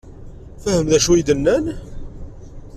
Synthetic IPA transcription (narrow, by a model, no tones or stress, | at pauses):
fəhəmðæʃuid̪ənːæn